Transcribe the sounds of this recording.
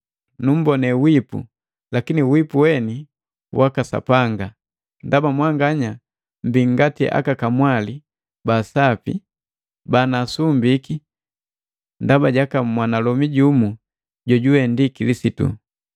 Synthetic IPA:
num̩bɔnɛwipṵ | lakiniuwipuwɛni | wʔakasa̰paŋɡa | ndabamwaŋɡaɲa | m̩biŋɡatiʔa̰kakamwali | basapḭ | banasumbiki | ndabaɟakamwanalɔmiɟumu | ɟɔɟuwɛndikilisitṵ

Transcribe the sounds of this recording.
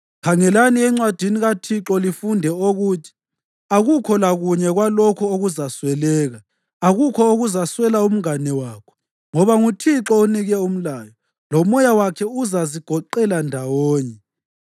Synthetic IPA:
kʰaŋɛlaniɛŋ͡ǀwad̥ʱiniɣatʰiǁɔlifundʱɛoɣutʰi̥ | aɣukʰɔlaɣuɲɛɣwalɔkʰɔoɣuzaswɛlɛːɣaː | ɣukʰɔoɣuzaswɛlaum̩ŋanɛwaːkʰɔ̥ | ŋɔβaŋutʰiǁɔuniɣɛum̩laːjɔ | lɔmɔjawakʰɛuzaziɡ̥ʱɔǃɛlandʱawɔːɲɛ

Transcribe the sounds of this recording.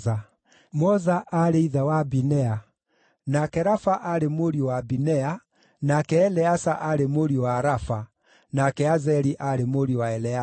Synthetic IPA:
a | mɔzaʔaɾeiðawabinɛa | nakɛɾafaʔaɾemoɾiwabinɛa | nakɛːlɛasaʔaɾemoɾiwaɾafa | nakɛazɛɾiʔaɾemoɾiwaɛlɛa

